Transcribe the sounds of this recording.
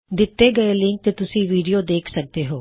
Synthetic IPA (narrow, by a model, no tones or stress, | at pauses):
d̪ɪt̪ːeːɡəelɪ̃ŋk̚t̪eːt̪ʊsĩːʋiːɖijoːd̪eːkʰsək̚d̪eːɦoː